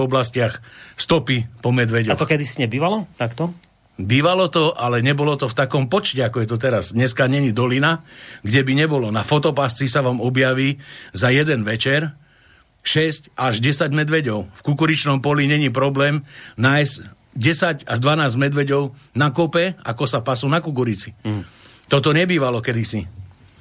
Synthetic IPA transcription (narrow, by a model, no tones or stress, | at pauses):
ɔblascɪaxst̪ɔpipɔmɛd̪ʋɛɟɔat̪ɔkɛd̪isiɲɛbiːʋalɔt̪akt̪ɔ | biːʋalɔt̪ɔʔalɛɲɛbɔlɔt̪ɔft̪akɔmpɔt͡ʃcɛakɔjɛt̪ɔt̪̬ɛɾazdɲɛskaɲɛɲid̪ɔlinaɡɟɛbiɲɛbɔlɔnafɔt̪ɔpast͡sisaʋaːmɔbjaʋiːzajɛd̪ɛnʋɛt͡ʃɛɾ | ʃɛscaʒɟɛsaɟmɛd̪ʋɛɟɔʊfkukuɾit͡ʃnɔmpɔliɲɛɲipɾɔblɛːmnajsɟ | ɟɛsaɟaʒd̪ʋanaːzɟmɛd̪ʋɛɟɔʊnakɔpɛa̰kɔsapasunakuk̬uɾit͡si | t̪ɔt̪ɔɲɛbiːʋalɔkɛd̪isi